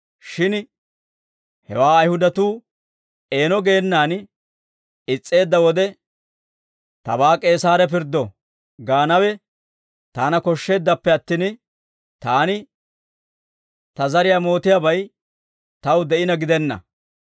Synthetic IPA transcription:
ʃɪn | hɛ̰waːɐjhʊd̪ɐt̪uː | e̞ːnɔɡe̞ːnːaːn | ɪt͡sʼːe̞ːd̪ːɐwɔd̪ɛ | t̪ɐ̰baːkʼe̞ːsaːɾɛp̬ɪɾd̪ɔ | ɡaːnɐwɛ | t̪aːnɐkɔʃːe̞ːd̪ːɐpːɛɐt̪ːiːn | t̪aːnɪ | t̪ɐzɐɾɪjamo̞ːt̪ɪjabɐj | t̪ɐwd̪ɛʔɪnɐɡɪd̪ɛnːɐ̰

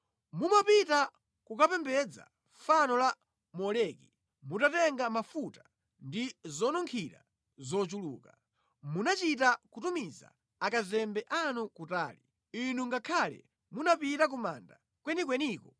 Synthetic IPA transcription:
mumapita | kukapɛmbɛd͡za̰ | fanɔla | mɔlɛki | mutatɛŋɡamafuta | ndizɔnuŋkʰiɾa̰ | zɔt͡ʃulṵːka | munat͡ʃitakutumiza̰ | akazɛmbɛʔanukuta̰ːli | inuŋɡakʰalɛ̰ | munapitak̬uma̰nda̰ | kwɛnikwɛniːkɔ

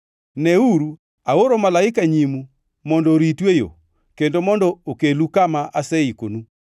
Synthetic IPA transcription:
nɛuɾu | aoɾɔmalaekaɲimu | mɔndɔɾitwejo̰ | kendomɔndɔokelukamaʔasɛikonu

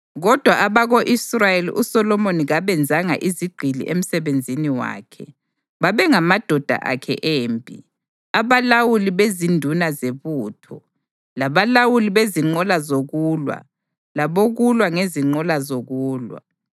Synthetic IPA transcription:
ɣɔd̥ʱwaʔaβaɣoʔisrajelḭʔusɔlɔmoniɣaβɛnd͡zʱaŋa̰ʔiziɡ͡ǃʱilḭʔem̩sɛβend͡zʱiniwa̰ːkʰɛ | βaβɛŋamad̥ʱɔd̥ʱa̰ʔa̰kʰɛ̰ʔeːmbʱḭ | aβalawuliβezindʱunazeβuːtʰɔ̰ | laβalawuliβeziŋ͡ǃɔlazoɣuːlwa̰ | laβoɣulwaŋeziŋ͡ǃɔlazoɣuːlwa̰

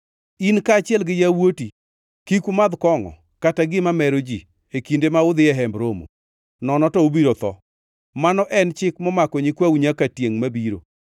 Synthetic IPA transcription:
inkaːt͡ʃɪɛlɡɪjawoti | kikumad̪kɔŋɔ̰ | kataɡɪmamɛɾod͡ʒi | ekindemaʊd̪ɪɛɦɛmbɾomo̰ | nɔnɔtɔobiɾot̪ɔ̰ | manɔʔɛnt͡ʃɪkmɔmakɔɲikwawɲakatjeŋmabiɾo̰

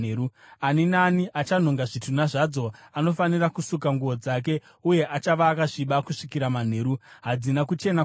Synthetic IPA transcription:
uaninaniʔat͡ʃan̤oŋɡaʐitʰunaʐad͡zo̞ano̞fanirakusukaŋɡuʋo̞d͡zak̬e̞ | uje̞ʔat͡ʃaʋaːkaʐiɓakuʂikiɾaman̤e̞ːɾuɦad͡zinakut͡ʃe̞na

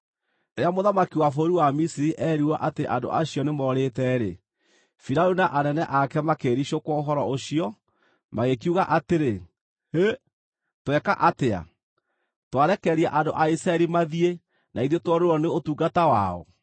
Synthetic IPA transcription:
eamoðamakiwafoɾuwamisiɾiʔɛɾiwaʔateʔando̰ʔaɕiɔnemɔɾetɛɾe | fiɾaunaʔanɛnɛʔakɛmakeɾiɕokwɔoɦɔɾɔoɕiɔ | maɣek̬iuɣaʔateɾe | he | twɛkaʔatea̰ | twaɾɛkɛɾiaʔandoʔaisɾaɛɾimaðie | naiðetwɔɾeɾɔneotuːɡatawa̰ɔ̰

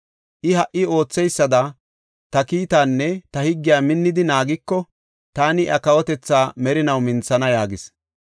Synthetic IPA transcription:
ʔɪhɐʔːɪo̞ːt͡sːɛjsːɐd̪ɐ | t̪ɐkiːt̪aːnːɛt̪ɐhɪɡːɪjaːmɪnːɪd̪ɪnaːɡɪkːɔ | t̪aːnɪʔɐkɐwɔt̪ɛt͡sːaːmɛɾɪnɐwmɪnt͡sːɐnɐjaːɡɪs

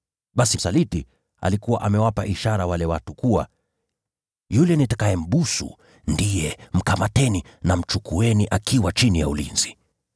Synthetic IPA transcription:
ɓasisaliti | a̰likuwaʔamɛwapaʔiʃaɾawalɛwatukuwa̰ | julɛnitakaɛm̩ɓusṵ | ndijɛm̩kamatɛninam̩t͡ʃukuɛniʔakiwat͡ʃinijaulinzi

